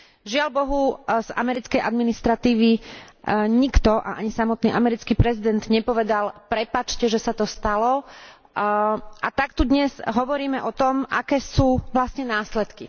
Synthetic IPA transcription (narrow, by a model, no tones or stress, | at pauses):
ʒɪalbɔɦuz̥a̰mɛɾit͡skɛjʔa̰d̪minist̪ɾat̪iːʋi | ɲikt̪ɔʔa̰ʔaɲisamɔt̪niːʔamɛɾit͡skiːpɾɛzid̪ɛnd̪ɲɛpɔʋɛd̪alpɾɛpat͡ʃcɛʒɛsat̪ɔst̪alɔ | ʔat̪akt̪ud̪ɲɛzɦɔʋɔɾiːmɛʔɔt̪ɔmʔa̰kɛːsuːʋlasɲɛnaːslɛt̪ki